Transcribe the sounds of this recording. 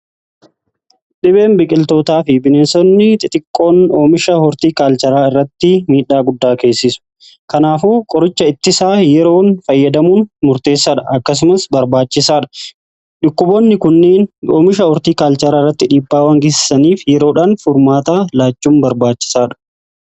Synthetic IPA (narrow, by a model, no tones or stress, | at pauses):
ᶑɪbe̞ːmbɪkʼɪlt̪o̞ːt̪aːfɪbɪneːsɔnːɪt̪ʼɪt̪ʼɪkʼːo̞ːno̞ːmɪʃɐhɔɾt̪iːkaːlt͡ʃɐɾaːɪrːɐt̪ːɪmiːᶑaːɡʊd̪ːaːke̞ːsːɪsʊ̥ | kɐnaːfuːkʼɔɾɪt͡ʃːɐɪt̪ːɪsaːjɛɾo̞ːnfɐjːɐd̪ɐmuːnmʊɾt̪e̞ːsːaːᶑɐʔɐkːɐs̬ʊmɐsbɐɾbaːt͡ʃːɪsaːᶑɐ̥ | ᶑʊkːʊboːnːɪkʊnːeːnoːmɪʃɐɔɾt̪iːkaːlt͡ʃɐɾaːɪrːɐt̪ːɪᶑiːbːaːwɐŋɡɪsɪ̥sɐniːfjɛɾo̞ːᶑaːnfʊɾmaːt̪aːlaːt͡ʃːuːmbɐɾbaːt͡ʃːɪ̥saːᶑɐ̥